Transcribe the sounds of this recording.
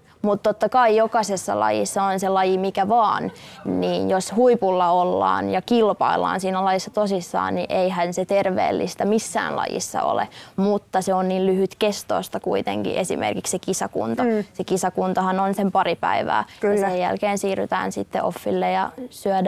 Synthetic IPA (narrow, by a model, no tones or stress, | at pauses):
mut̪t̪ːot̪ːɑkɑijokɑsesːɑ̰lɑ̰jḭsːɑonselɑjimikæʋɑːn | niːnjoshuipulːɑolːɑ̰ːnjɑkilpɑilːɑ̰ːnsiːnælɑjisːɑt̪osisːɑ̰ːnniʔeiɦænset̪erʋḛːlːʔist̪æmisːæ̰ːnlɑ̰jḭsːɑ̰o̰lḛmut̪ːɑseonniːllyhyt̪kest̪o̰ːst̪ɑkuit̪ḛŋkḭʔesḭmḛrkikssekisɑkṵnt̪ɑsekisɑkunt̪ɑhɑnonsempɑripæ̰iʋæ̰ːjɑsejjæ̰lkeːnsiːryt̪æ̰ːnsit̪ːḛʔofːilːejɑsyæd